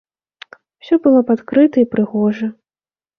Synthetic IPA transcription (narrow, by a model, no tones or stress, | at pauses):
wsʲɔbɨlˠɔpat̪kɾɨt̪ɐipɾɨɣɔʐɐ